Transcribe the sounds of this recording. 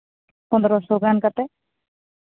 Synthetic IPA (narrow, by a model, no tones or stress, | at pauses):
pɔnd̪ɾɔsoɡankat̪ɛ